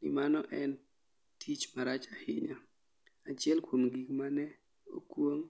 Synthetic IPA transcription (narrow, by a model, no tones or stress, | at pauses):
nɪ̰manɔʔɛn | tʰit͡ʃmaɾat͡ʃahɪɲa | at͡ʃɪɛlkwomɡikmanɛ | o̰kwoŋ